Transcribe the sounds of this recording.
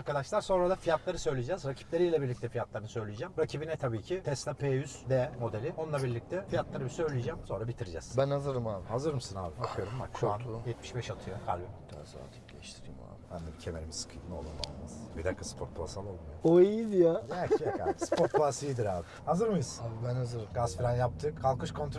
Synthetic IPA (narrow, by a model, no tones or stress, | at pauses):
aɾkʰad̪aʃlˠaɾso̞nɾad̪afijat̪lˠaɾɯsø̞jlʲid͡ʒɛzɾacʰiplʲe̞ɾijlʲɛbiɾlʲic̚t̪ʰɛfijat̪lˠaɾɯnɯsø̞jlʲijd͡ʒɛmɾacʰibinɛt̪ʰabiːcʰit̪ʰɛst̪apʰeysd̪ɛmo̞d̪elʲiʔo̞nunˠabiɾlʲic̚t̪ʰɛfijat̪lˠaɾɯbisø̞jlʲijid͡ʒæmso̞nɾabit̪ʰiɾid͡ʒɛz̥bænhazɯɾɯmaːbhazɯɾɯmsɯnaːbiakʰɯjo̞ɾumakʃuanʰjɛt̪mi̥ʃbɛʃat̪ʰɯjo̞kʰalʲbimd̪ʰa̰sa̰a̰t̪ʰi̥kɟɛ̰ʃt̪ʰiɾiima̰bbænd̪ɛbicʰemeɾimiɯ̥kʰɯj̪ino̰lˠumd̪o̰lˠmazbid̪akʰːaspʰo̞ɾt̪̚pʰlˠasalˠolˠmajojizjajæt͡ʃɛka̰bsspo̞ɾt̪plˠasijid̪iɾaːbihazɯɾmajɯzaːbibænhazɯɾɯɡasfiɾanjap̚t̪ʰɯkkʰalˠkɯʃkʰo̞nt̪ɾ